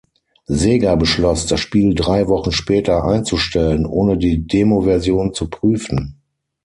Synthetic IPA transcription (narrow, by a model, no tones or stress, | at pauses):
zeːɡabəʃlɔsd̥asʃpiːldʁaɪvɔχn̩ʃpɛːtɐʔa̰ɪnt͡suʃtɛlənʔoːnədiːdeːmovɛɐzjoːnt͡supʁ̥yːfn̩